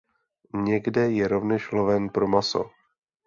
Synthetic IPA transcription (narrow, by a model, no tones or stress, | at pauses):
ɲɛɡdɛjɛɾo̞vnɛʃlovɛnpɾo̞maso̞̰